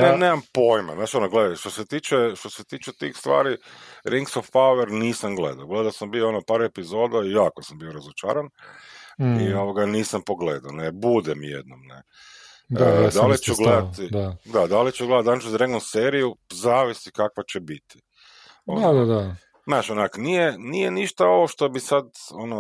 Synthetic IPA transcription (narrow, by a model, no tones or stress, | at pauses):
nneneːmampo̞jmanaːʃonoɡled̪ajʃt̪oset̪iːt͡ʃeʃt̪oset̪iːt͡ʃet̪ḭxst̪ʋa̰ːɾiɾiŋksofpauʋeɾniːsamɡlḛd̪aoɡled̪aosambioonopaːɾepizo̞ːd̪aijaːkosambioɾazot͡ʃa̰ːɾan | ioʋoɡaniːsampo̞ɡlḛd̪aonebud̪ɛmjḛd̪̚no̰mnḛ | d̪d̪alit͡ʃuɡled̪at̪id̪ad̪ad̪alit͡ʃɛɡle̞dat̪alnit͡ʃuzɾeɡonseːɾijuzaːʋisikakʋat͡ɕebit̪i̥ | oad̪ad̪a | naʃonakonijenijeniʃt̪ao̞ʋoʃt̪o̞bisad̪ono